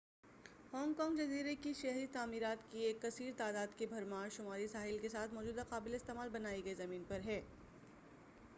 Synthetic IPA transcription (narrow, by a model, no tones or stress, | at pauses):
hɔːŋɡkɔ̃ːŋɡd͡ʒɐziːɾekiʃɛɦɾit̪aːmiːɾaːt̪kieːkːɐsiːɾt̪aːd̪aːd̪kebʱɐɾmaːɾʃʊmaːɾisaːɦɪlkesaːt̪ʰmɔːd͡ʒuːd̪aqaːbɪleɪst̪eːmaːlbɐnaːiɡɐizɐmiːnpɐɾɦɛː